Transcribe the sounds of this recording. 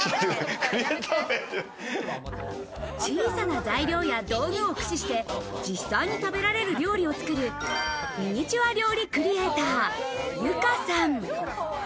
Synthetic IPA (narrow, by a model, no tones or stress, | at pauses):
akɯɾʲiet̪ʰabeɾ | t͡ɕĩːsanazaiɾʲo̞ːjad̪o̞ːɡɯokɯ̟̥ɕiɕi̥t̪e̞d͡ʑisːaiɲ̟it̪abe̞ɾaɾe̞ɾɯ̟ɾʲo̞ːɾʲio̞t͡sɨ̥kɯ̟ɾɯ̟ | mʲiɲit͡ɕiβaɾʲjo̞ːɾʲikɯ̟ɾʲie̞t̪aːjɯ̟kasãŋ